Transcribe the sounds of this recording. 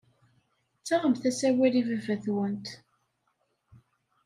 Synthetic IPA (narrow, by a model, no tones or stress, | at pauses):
t͡sːaʁəmθæsæwiɾivævæθwənt̪